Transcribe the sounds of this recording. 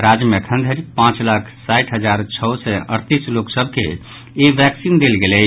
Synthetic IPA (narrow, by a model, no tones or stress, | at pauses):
ɾad͡ʒjəmekʰə̃nd̪ʱəɾipãt͡ʃlakʰsaɪʈʰɦəd͡ʒaːɾt͡ʃʰəʊsɛəɾt̪isloksəbʱke | eʋɛksind̪elɡelɛ